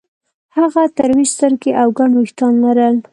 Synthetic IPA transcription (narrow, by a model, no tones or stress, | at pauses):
haɣat̪aɾwid͡ʒst̪əɾkeʔawɡaɳwixt̪ɑnlaɾəl